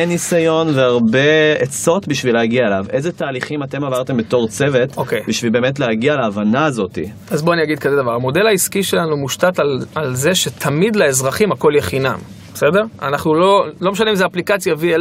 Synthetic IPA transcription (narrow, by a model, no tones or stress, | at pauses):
nisajo̞nveaʁbeet͡so̞tbiʃvileaɡiaelavezetaːliχimat̪e̞mavaʁt̪e̞mbeto̞ʁt͡se̞vet̪okejbiʃvilbe̞ːmet̬lehaɡialeːvanaːzo̞tḭ | azbo̞anijaɡid̪̚kazed̪avaʁamo̞de̞laiskiʃelanumuʃtatalalzeʃe̞t̪ʰamid̪leezʁaχimako̞ljeχinam | besede̞ʁa̰naχnulo̞lo̞meʃaneimzeːplikat͡sjaviel